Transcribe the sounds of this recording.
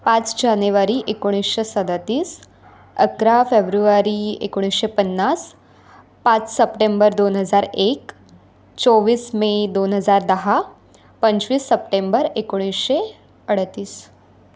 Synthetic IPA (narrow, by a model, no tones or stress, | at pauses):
pãt͡sd͡ʑanuʋaɾiʔekoɽ̃isɕesəd̪at̪iːs | əkɾafebɾuʋaɾiḛkoɽ̃isɕepənːas | pãt͡ssəpʈembəɾd̪onɦəd͡zaɾek | t͡soʋiːsmed̪onɦəd͡zaɾd̪əɦa | pəɲt͡ɕʋiːsːəp̚ʈembəɾekoɽ̃isɕe | əɽ̤t̪iːs